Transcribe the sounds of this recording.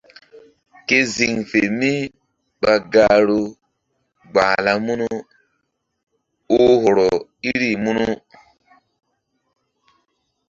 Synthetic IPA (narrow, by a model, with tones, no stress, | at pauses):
ke˦zi˨ŋfe˨mi˦ | ɓa˨ɡa˨ɾo˦ | ɡ͡ba˨la˦mu˦nu˦ | o˦ɦo˨ɾɔ˨i˦ɾi˦˨mu˦nu˦